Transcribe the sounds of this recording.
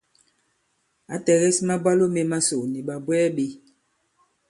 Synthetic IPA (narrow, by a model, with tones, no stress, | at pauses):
a˨˦tɛ˨ɣɛ˦sma˦ba˦lo˦me˨ma˦so˨ni˨ɓa˨bwɛː˦ɓe˦